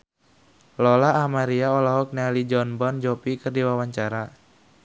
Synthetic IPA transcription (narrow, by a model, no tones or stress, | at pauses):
lɔlaːmaɾiaɔlaɦɔk̚nealid͡ʒɔnbɔnd͡ʒɔpikɨrdiwawaɲt͡ʃaɾa